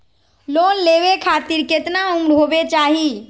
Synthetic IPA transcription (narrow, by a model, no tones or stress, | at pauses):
loːnleʋekʰat̪iɾket̪naũŋɖʱɦobet͡ʃaːɦi